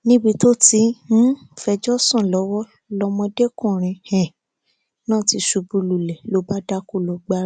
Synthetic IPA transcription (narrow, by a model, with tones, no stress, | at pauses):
nĩ˦bi˧to˦˨tĩ˧˦ | fɛ˧d͡ʒɔ˦sã˦˨lɔ˨˦wɔ˦ | lɔ˧mɔ̃˧de˦kũ˦˨ɾ̃ĩ˨˧hɛ̃˨ | nãː˦˨ti˧ʃu˧bu˧lu˨lɛ˨lo˨˦ba˦da˦ko˦˨lɔ˨ɡ͡ba˧ɾ